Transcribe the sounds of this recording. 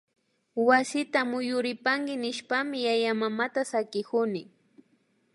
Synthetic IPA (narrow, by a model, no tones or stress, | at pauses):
wasɪt̪amʊjʊɾɪpaŋɡɪnɪʃpamɪjajamamat̪asakɪkʊnɪ